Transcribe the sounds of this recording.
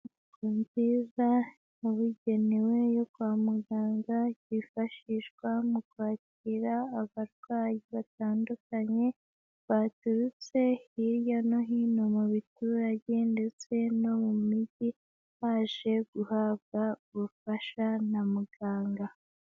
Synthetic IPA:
umziːza | nuβuɟe̞newe̞jokwaːmuɡaːŋɡajifaʃiʃɡwamukwaːc | iɾaːβaɾɡwaːjiβataːndukaɲe̞ | βatuɾut͡se̞iɾjano̞ɦinomuβituɾaɟe̞nde̞t͡se̞nomumiɟi | haʒe̞ɡuhab̚ɡaβufaʃanamuɡaːŋɡa

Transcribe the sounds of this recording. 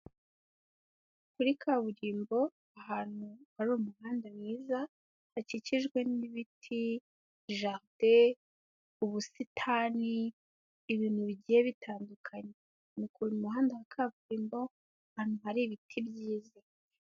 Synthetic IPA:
kuɾikʰaβuɾiːmbo̞ | ahaːn̥uhaɾumuhaːndemŋiːza | haciciʒɡwe̞niβitʰi | ʒaʁde | uβusitʰaːniː | βiːnhuβiɟiːjeβitʰaːndukʰaɲe | nikuɾimuɦaːndahakʰaβuɾiːmbo̞ | ahaːn̥huɦaɾiβitʰibɟiːza

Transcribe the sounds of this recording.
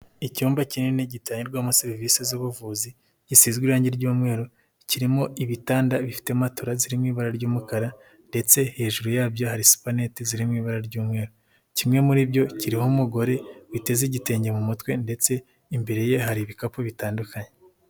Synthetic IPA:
icuːmbacineniɟitaːɲiɾɡwaːmuseɾivisezuβuvuːzi | ɟ̥isiːzɡwiɾaːɲɟeɾɟuːmŋe̞ːɾo | ciɾimo̞iβitaːndaβifi̥te̞matoɾaziɾimŋiːβaɾaɾɟuːmukaɾa | nde̞t͡se̞he̞ːʒuɾujaːbjo̞haɾisu̥pane̞tiziɾimŋiːβaɾaɾɟuːmŋe̞ːɾo | cimŋe̞muɾibɟo̞ciɾihomuɡo̞ɾe̞wite̞ziɟite̞ːɲɟe̞mumutwe̞nde̞t͡se̞ | imbe̞ɾe̞je̞ɦaɾiβikapoβitaːndukaɲe

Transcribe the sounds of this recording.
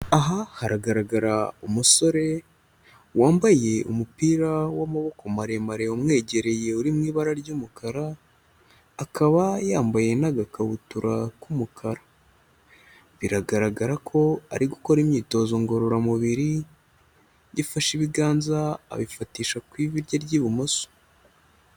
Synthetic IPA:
aɦahaɾaɡaɾaɡaɾaumuso̞ɾe̞ | waːmbaje̞ṵmupiːɾawamaβo̞kʰo̞maɾe̞maɾe̞omŋe̞ːɟe̞ɾe̞je̞uɾimŋiːβaɾaɾɟumukʰaɾa | kʰaβajaːmbaje̞naɡakaβutuɾʔakumukʰaɾa | βiɾaɡaɾaɡaɾakʰo̞a̰ɾiɡuko̞ɾimɲiːto̞ːzo̞ŋɡo̞ɾoɾamuβiɾi | jifaʃiβiɡaːnzaa̰βifatiːʃakwiːβiɾɟaɾɟiːβumoso̥

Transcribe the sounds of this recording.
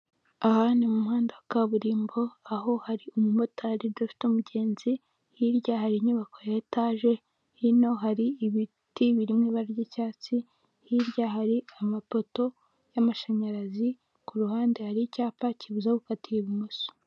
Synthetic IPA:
ahaːndimumuhaːndawakaβuɾiːmbo̞aɦo̞haɾiumumotahɾiɾdafi̥tomuɟe̞ːnzi | hiɾɟahaɾiɲuβako̞jataʒe̞ | hino̞ɦaɾiβi | tiβiɾimŋeβaɾɾɟecaːt͡si | hiɾɟaɦaɾiamapo̞to̞ | jamaʃaɲaɾazi | kuɾuhaːndehaɾicaːpaciβuzakukatiɾeβimuso̥

